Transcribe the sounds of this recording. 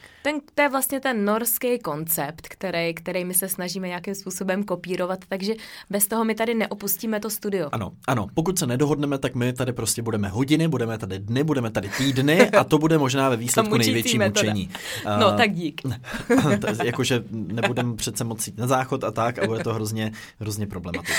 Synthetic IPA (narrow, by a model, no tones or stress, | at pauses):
t̪ɛnt̪ojɛvlast̪ɲɛt̪ɛnːo̞ɾskɛjko̞nt͡sɛpt̪kt̪ɛɾɛjkt̪ɛɾɛjmɪsɛsnaʒiːmɛɲakɪmspuːso̞bɛmko̞piːɾo̞vat̪ːaɡʒɛbɛst̪oɦo̞mɪt̪adɪnɛʔo̞pusciːmɛt̪o̞st̪udɪjoʔano̞̰ʔano̞po̞kut̪sɛnɛdo̞ɦo̞dnɛmɛt̪akmɪt̪adɪpɾo̞scʲɛbudɛmɛɦo̞ɟɪnɪbudɛmɛt̪adɪdnɪbudɛmɛt̪adɪt̪iːdnɪʔat̪o̞budɛmo̞ʒnaːvɛviːslɛunɛjvjɛt͡ʃːiːut͡ʃɛɲiːnot̪aɡ̚ɟiːk̪ | jako̞ʒɛnɛbbudɛmpr̝̥ɛt̪t͡sɛmot͡sjiːt̪nazaːxo̞t̪at̪akabudɛt̪oɦɾozɲɛ | ɦɾozɲɛpɾo̞blɛmmat̪ɪ